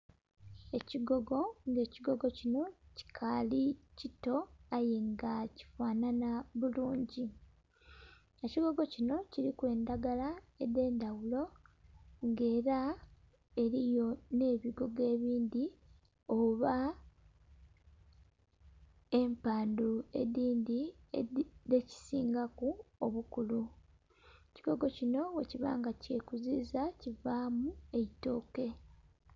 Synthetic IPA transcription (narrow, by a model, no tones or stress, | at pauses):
e̞ciɡo̞ɡo̞ŋɡe̞ːciɡo̞ɡo̞cino̞ci̥kʰalicito̞ajeŋɡaci̥faːnanaβuluːɲɟi | eciɡo̞ɡo̞cino̞ciɾikwe̞ːndaɡala | e̞de̞ːndawulo̞ | ŋɡe̞ːɾa | e̞ɾijo̞ne̞ːβiɡo̞ɡe̞ːβiːndi | o̞βa | e̞mpaːndue̞̰diːndiede̞ci̥sḭːŋɡakuoβukulu | ciɡo̞ɡo̞cino̞we̞̰ciβa̰ːŋɡace̞kuziːzacivaːmue̞ito̞ːke̞